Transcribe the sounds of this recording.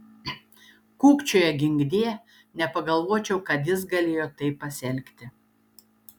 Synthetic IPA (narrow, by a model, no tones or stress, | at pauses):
kuːkt͡ʃʲoːjɛɡʲɪŋʲɡd̪ʲeː | nʲɛpɐɡɐlˠʋoɔt͡ʃʲɛʊkɐt̪jɪs̬ɡɐlʲeːjoːt̪ɐɪpːɐsʲɛlʲkt̪ʲɪ